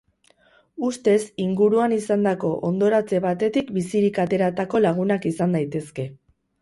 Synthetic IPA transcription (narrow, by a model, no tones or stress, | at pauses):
ust̪e̞siŋɡuɾuanisand̪ako̞ʔond̪o̞ɾat͡se̞βat̪e̞t̪ikbisiɾikat̪e̞ɾat̪ako̞laɣ̞unakisand̪ajt̪e̞ske̞